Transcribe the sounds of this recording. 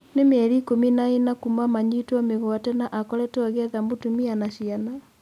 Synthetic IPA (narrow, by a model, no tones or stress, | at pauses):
nemeɛɾikominaenakumamaɲitwameɣɔatɛnaʔakɔlɛtɔaɣeaðambotumianaʃiana